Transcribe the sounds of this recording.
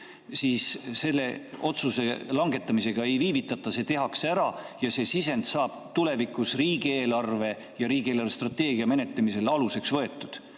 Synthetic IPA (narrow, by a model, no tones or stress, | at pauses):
siːsse̞lːe̞ʔo̞t̪suse̞lɑŋɡ̥e̞t̪ːˑɑmise̞ɡ̥ɑe̞jviːvit̪ːˑɑt̪ːˑɑse̞t̪e̞ɦɑksæɾɑjɑse̞sise̞nd̪sɑːb̥̚t̪ule̞vikˑusriːɡ̥ie̞ːlɑrve̞ | jɑɾiːɡ̥ieːlɑrvest̪rɑt̪ːe̞ːɡiɑme̞ne̞t̪lemise̞lɑluse̞ksvɤ̞e̞t̪ːˑud̪̥